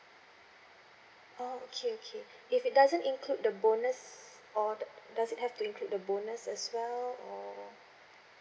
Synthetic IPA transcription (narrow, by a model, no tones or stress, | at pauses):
ookʰeokʰe | ifit̚dazə̃nĩnkʰlud̚dəbonəs | ɔdasit̚hɛftuĩnkʰlud̚dəbonəsɛswɛlɔ